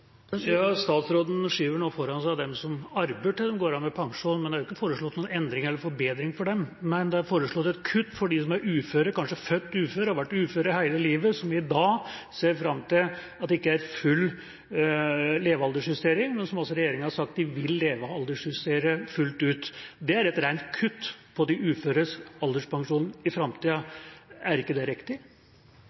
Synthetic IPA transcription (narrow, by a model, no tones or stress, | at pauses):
jɑːst̪ɑːt̪sɾoːd̪n̩ʂiːʋəɳoːfɔɾɑnsæɪɑd̪ɛmsɔmɑɾbəʈɪld̪ɛmɡoːɾɑnmɛpʰɑŋʂuːnmɛnd̪ɛhɑɾjʊɪkːəfoːɾəʂɭɔt̪nuːnɛnd̪ɾɪŋɛlːəɾfɔɾbeːd̪ɾɪŋfɔɖɛmmɛnd̪ɛɑɾfoːɾəʂɭɔt̪ːɛt̪kʰʉt̪ːfɔɖɪsɔmæɾʉːføːɾəkɑnʂəfœt̪ːʉːføːɾəɑɾʋæʈːʉːføːɾəhæɪləliːʋəsɔmɪd̪ɑːseːɾfɾɑmːt̪ʰɪlɑt̪d̪ɛɪkːəæɾfʉlː | leːʋɑld̪əʂhʉst̪eːɾɪŋmɛnsɔmɔlsɔɾɛjeːɾɪŋənhɑʂɑk̚t̪̚d̪ɪʋɪlːeːʋəɑld̪əʂhʉst̪eːɾəfʉlt̪ʉːt̪d̪ɛæɾɛt̪ɾæɪnt̪kʰʉt̪ːpʰɔd̪ɪʉːføːɾəsɑld̪əʂpɑŋʂuːnn̩ɪfɾɑmt̪ʰiːəæɾɪkːəd̪ɛɾɪkt̪ɪ